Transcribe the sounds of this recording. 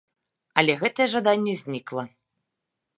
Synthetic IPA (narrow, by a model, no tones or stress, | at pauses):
ɐlʲɛɣɛt̪ɐjɛʐad̪anʲːɛzʲnʲiklˠɐ